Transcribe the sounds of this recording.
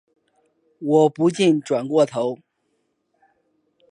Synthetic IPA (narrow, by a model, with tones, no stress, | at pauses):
wɔ˨˩pu˧˥t͡ɕi˥˩nʈ͡ʂwa˨˩nkwɔ˥˩t̪ʰo˧˥ʊ